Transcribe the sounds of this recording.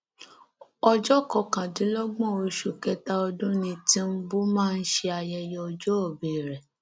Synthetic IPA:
ɔ˧d͡ʒɔ˦kɔ˧kã˨dĩ˨˦lɔ˦ɡ͡bɔ̃˦˨o˧ʃu˨kɛ˨˦ta˦ɔ˧dũ˦nĩ˧tĩ˦m̩˦bu˦mãː˦˧n̩˦ʃe˦a˧jɛ˧jɔ˧ɔ˧d͡ʒɔ˦ɔ˦˨be˨ɾɛ˨

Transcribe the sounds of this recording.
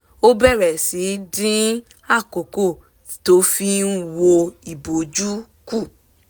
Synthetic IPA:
o˦bɛ˦˨ɾɛ˨si˨˦dĩ˦ | a˦˨ko˨ko˦˨ | i˦to˦fi˧n̩˦wo˧i˨bo˨d͡ʒu˦ | ku˦˨

